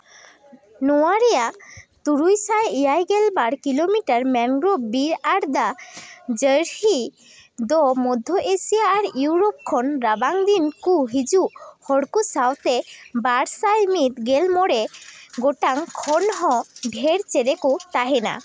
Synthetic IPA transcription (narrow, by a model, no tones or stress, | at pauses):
nuaɾijat̪uɾujsajijajɡɛlbaɽkilomiʈaɾmɛŋɡɾɔbiɾaɽd̪ad͡ʒəɾhi | d̪ɔmɔd̪ʱɔʔesijaːɾjuwɾɔp̚kʰɔnɾabaŋd̪inkuɦid͡ʒuhɔɽkusawt̪ebaɽsajmit̪̚ɡelmɔɽeɡoʈaŋkʰɔnɦɔ̃ɖʱɛɾt͡ʃeɾekut̪aɦɛna̰